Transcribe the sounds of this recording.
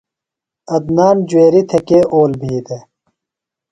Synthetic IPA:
ɐd̪naːnd͡ʑuweːɾit̪ʰekeːʔoːlbʱiːd̪e

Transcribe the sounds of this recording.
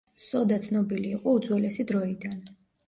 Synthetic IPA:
sɔd̪at̪sʰnɔbiliːqʼɔud̪zʼwɛlɛsid̪ɾɔid̪an

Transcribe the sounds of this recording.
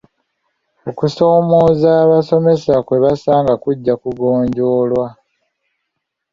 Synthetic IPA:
o̞kuso̞ːmoːzaːβaso̞me̞sakwe̞βasaːŋɡakuɟːakuɡoːɲɟo̞ːlwa

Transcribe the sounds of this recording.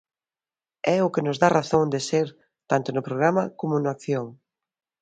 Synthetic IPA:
ɛʊkɪnʊzðaraθoŋd̪eseɾ | t̪ant̪ʊnʊpɾoɣ̞ɾamɐkomʊnʊakθjoŋ

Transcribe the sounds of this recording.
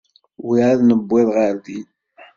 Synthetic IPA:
wiʕaðnəbːɪðˤʁəɾði

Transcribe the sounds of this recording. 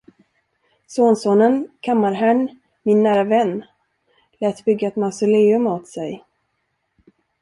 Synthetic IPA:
soːnsoːnənkʰamːaɾɦɛɳ | mɪnːæːɾavɛnː | lɛːt̪bʏɡːaɛt̪masʊleːɵmoːt̪sɛj

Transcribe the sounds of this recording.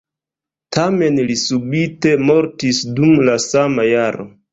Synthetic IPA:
tʰame̞nlisubite̞mo̞ɾtisdumlasamajaɾo̞̰

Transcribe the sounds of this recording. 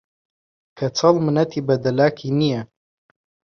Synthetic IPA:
kʰɐt͡sʰɑlmɨnɐt̪ʰibɐd̪ɐlaːkʰinijɐ

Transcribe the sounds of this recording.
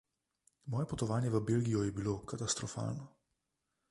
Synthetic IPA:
mɔːjɛpɔt̪ɔʋaːnjɛʋəbelɡijɔjɛbilokat̪ast̪ɾɔfa̰ːlnɔ

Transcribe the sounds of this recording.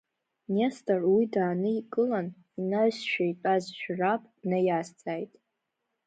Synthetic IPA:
nestʼarwidaːnɨikʼɨlan | inaɥsʃᶣajpʼazʃᶣrapʼnajast͡sʰʼajtʼ

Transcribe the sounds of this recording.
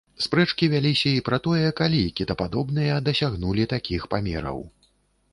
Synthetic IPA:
spɾɛt͡ʂkʲivʲalʲisʲɐipɾɐt̪ɔjɛkalʲikʲid̪ɐpad̪ɔbnɨjɐd̪ɐsʲaɣnulʲit̪akʲixpamʲɛ̰ɾɐ̰w

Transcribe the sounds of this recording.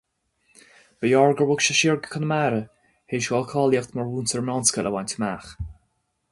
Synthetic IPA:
b̥əjɔɹɡəɹwʊkʃəʃiɹɡəkʰənəmaːɾə | heʃɡɔlkʰɔːljəxt̪məɹwuːnsəɹmɔnskəlʔəwantʰəmaːx

